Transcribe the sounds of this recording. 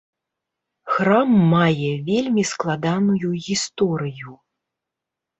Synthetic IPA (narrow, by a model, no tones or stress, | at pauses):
xɾamːajɛvʲelʲmʲisklˠad̪anujuɣʲist̪ɔɾɨju